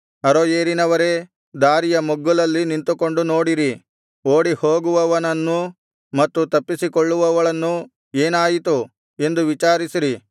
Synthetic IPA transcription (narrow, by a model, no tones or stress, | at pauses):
ɐɾojeːɾinɐʋɐɾe̞ | d̪aːɾijɐmɔɡːulɐlːinint̪uko̞ɳɖuno̞ːɽiɾi | oːɽihoːɡuʋɐʋɐnɐnːu | mɐt̪ːut̪ɐpːisikoɭːuʋɐʋɐɭɐnːu | e̞ːnaːjit̪u | e̞nd̪uʋit͡ʃaːɾisiɾi